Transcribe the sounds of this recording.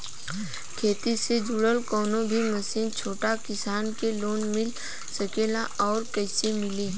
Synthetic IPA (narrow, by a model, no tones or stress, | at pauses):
kʰeːt̪ised͡ʒʊɽəlkɔːnõbʱiməsiːnt͡ʃʰoːʈakɪsaːnkeloːnmɪl | səkeːlaʔɔːɾkɛːsemɪleː